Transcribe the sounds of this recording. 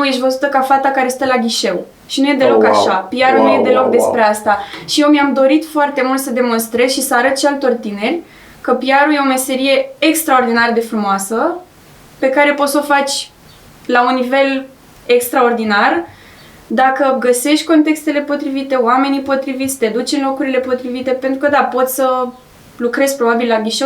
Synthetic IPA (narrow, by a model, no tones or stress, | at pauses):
nuje̞ʃ̬ʲvəzut̪əkafat̪akaɾest̪elaɡʲiʃe̞w | ʃinuje̞d̪e̞lo̞kaʃapiaɾunuje̞d̪e̞lo̞k̚d̪e̞spɾe̞ast̪aʃijewmiamd̪o̞ɾit̪foart̪e̞mult̪səd̪e̞mo̞nst̪ɾezʃisəaɾət̪ʃialt̪o̞rt̪ine̞rʲ | kəpijaɾuje̞ome̞se̞ɾije̞ːkst̪ɾao̞rd̪inaɾəd̪e̞fɾumoasə | pe̞kaɾe̞po̞t̪so̞fat͡ʃʲ | launːive̞l | ekst̪ɾao̞rd̪inar | d̪akəɡəse̞ʃt̪ʲko̞nt̪e̞kst̪e̞le̞po̞t̪ɾivit̪e̞oame̞nipo̞t̪ɾivit̪sʲt̪ed̪ut͡ʃɨnlo̞kuɾile̞po̞t̪ɾivit̪e̞pe̞nt̪ɾukəd̪apo̞t̪sʲsə | lukɾe̞zpɾo̞babillaɡiʃo